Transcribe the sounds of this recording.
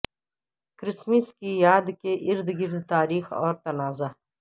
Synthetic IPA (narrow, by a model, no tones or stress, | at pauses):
kɾismiskʲiːjaːd̪kʲeʔiɾd̪ɨɡiɾd̪t̪aːɾiːxo̰ːɾt̪ɐnaːzɐ